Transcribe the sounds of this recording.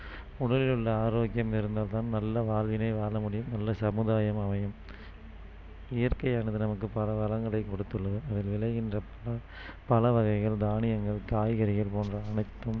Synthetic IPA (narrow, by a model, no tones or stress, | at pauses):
ʊɽɐlɪlɯɭːɐaːɾoːkɪjɐmɪɾɯnd̪aːlt̪aːnnɐlːɐʋaːlʋɪnɐɪʋaːlɐmʊɽɪjɯmnɐlːɐsɐmɯðaːjɐmɐʋɐjɐm | ɪjɐɾkɐɪjaːnɐðɯnɐmɐkːɯpɐlɐʋɐlɐŋɡɐɭɐɪkɔɽɯt̪ːɯɭːɐʋɯʔɐðɪlʋɪɭɐɪɣɪndrɐpɐɐ | pɐlɐʋɐɣɐɪɣɐɭd̪aːnɪjɐŋɡɐɭkaːjɣɐɾɪɣɐlpoːndrɐːɳɐɪt̪ːɯm